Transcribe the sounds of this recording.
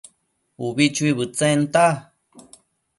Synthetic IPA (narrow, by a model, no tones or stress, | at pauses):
uβit͡ʃuiβɨt͡sent̪a